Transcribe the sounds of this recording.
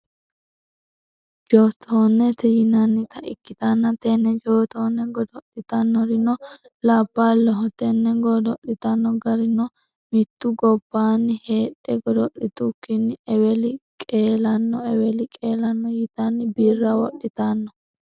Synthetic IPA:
d͡ʒoːt̪ʰoːnːɛt̪ɛjɪnɐnːɪt̪ɐʔɪ̰kːɪt̪ɐnːɐt̪ɛnːɛd͡ʒoːt̪oːnːɛɡɔd̪ɔɗɪt̪ɐnːɔɾɪnɔ | laːbːaːlɔɦɔt̪ɛnːɛɡɔd̪ɔɗɪt̪ɐnːɔɡɐɾɪnɔ | mɪt̪ːʊɡɔb̥ːaːnːɪheːᶑːɛɡɔd̪ɔɗɪt̪ʊkːɪnːɪɛwɛlɪkʼeːlɐnːɔɛwɛlɪkʼeːlɐnːɔjɪt̪ɐnːɪbiːrːɐwɔɗːɪt̪anːɔ

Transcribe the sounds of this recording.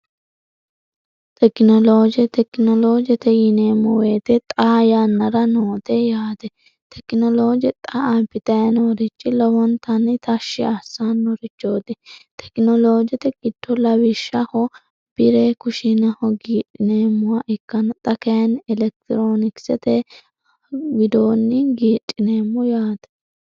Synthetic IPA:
t̪ʰɛknɔloːd͡ʒɛt̪ɛknɔloːd͡ʒɛt̪ɛjɪneːmɔweːt̪ɛt̪ʼaːjanːɐɾɐnoːt̪ɛjaːd̪ɛ | t̪ʰɛknɔloːd͡ʒɛt̪ʼɐabɪt̪ɐjɐnɔɾɪt͡ʃʼːɪlɔwɔnt̪ɐnːɪt̪ɐʃːɪɐsaːnːɔɾɪt͡ʃːo̞ːd̪ɛt̪ʰɛ̥knɔlo̞ːd͡ʒɛt̪ɛkʼɪd̪ːɔlɐwɪʃːɐhɔ | b̥ɪɾekʊʃɪnɐhɔɡiːtʼːɪneːmːʊwɐʔɛkːɐnt̪ʼɐkɐjɐnɪlɛk̚t̪ɪɾoːnɪksɛt̪ɛ | ɡɪd̪oːnːɪɡiːtʼːɪneːmːɔjaːt̪ɛ̥

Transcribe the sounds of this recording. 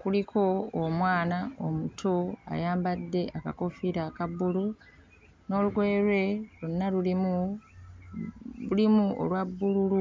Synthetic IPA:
kulikʰo̞ːmwaːnaomutʰoa̰jaːmbadːe̞ʔaka̰ko̞fiɾaːkabːulu | no̞ːluwe̞ːɾwe̞lunːalulimu | ulimuo̰lwabːululu

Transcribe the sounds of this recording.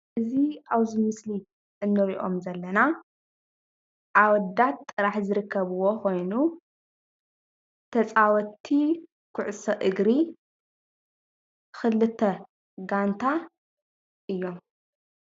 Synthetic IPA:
ɨziaβzɨmɨsli | ʔɨnːɨɾiʔo̞̰mzɐlːɐna | ʔawɔd̪at̪ʼːɨɾaħzɨɾɨkʰːɐβɨwo̞xo̞jnu | t̪ʰɐt͡sʼawɔt̪ʰːi | kʰʊʕʊsɐʔɨɡɾi | xɨlɨt̪ʰːɐ | ɡant̪ʰa | ʔɨjːo̞m

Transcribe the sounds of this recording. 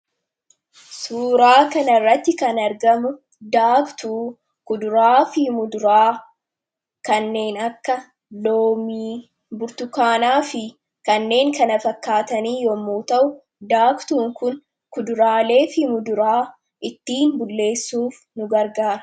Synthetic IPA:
suːɾaːkɐnɐrːɐt̪ːɪkɐnɐɾɡɐmʊ | d̪aːkt̪uː | kʊd̪ʊɾaːfɪɪmʊd̪ʊɾaː | kɐnːe̞ːnɐkːɐ | loːmiː | bʊɾt̪ʊkaːnaːfɪ | kɐnːe̞ːŋkɐnɐfɐkːaːt̪ɐniːjɔmːuːt̪ɐʔʊ | d̪aːkt̪uːŋkʊn | kʊd̪ʊɾaːle̞ːfɪmʊd̪ʊɾaː | ʔɪt̪ːiːnbʊlːe̞ːsːuːf | nʊɡɐɾɡaːɾɐ̥

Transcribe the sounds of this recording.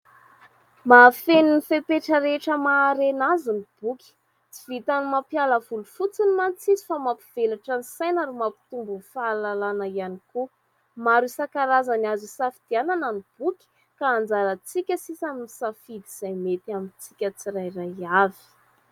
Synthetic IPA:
mafeninifepeʈ͡ʂəɾeʈ͡ʂəmaːɾenazunib̥ukʲi̥ | t͡si̥vit̪animapjaləvulufut͡sinimant͡sizi̥famapiv̥elaʈ͡ʂənisajnaɾumapi̥t̪umbunfaːlalanaianiku | maɾusakaɾazanazusafid̪̥ianananib̥ukʲi̥ | kaːnd͡zaɾət͡sikʲəsisamimisafid̪iz̥ajmet̪iamint͡sikʲət͡siɾajraavi̥

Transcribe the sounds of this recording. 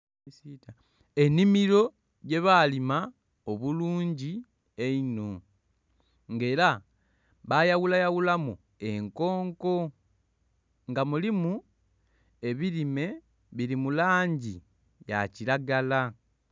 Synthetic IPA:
sita | e̞nimiɾo̞ | je̞βalima | o̞βuluːɲɟi | eino | ŋɡe̞ːɾa | βajawulajawulamu | e̞ŋko̞ːŋko̞ | ŋɡamulimu | e̞βilime̞ | βilimulaːɲɟi | ja̰cilaɡala

